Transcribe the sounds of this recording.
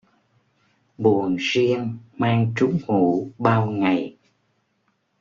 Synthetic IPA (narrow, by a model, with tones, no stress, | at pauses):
ɓu˨˩ənzi˧ənmaː˧ŋt͡ɕʊ˨˦ŋ͡mhu˧˨˩ɓaː˧wŋa˨˩j